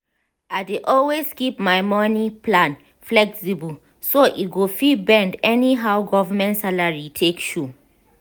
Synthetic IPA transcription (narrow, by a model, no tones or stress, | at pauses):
aɪdeʔɔlweskipmaɪmɔnipʰlãn | flɛksibəl | soʔit̚ɡofibɛ̃ndɛniɦawɡɔvamɛ̃ntsalaɹitʰekʃu